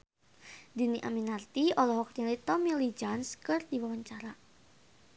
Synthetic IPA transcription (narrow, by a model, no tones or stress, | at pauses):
diniʔaminart̪iɔlɔɦɔk̚ɲalit̪ɔmilid͡ʒanskɨrd̪iwawaɲt͡ʃaɾa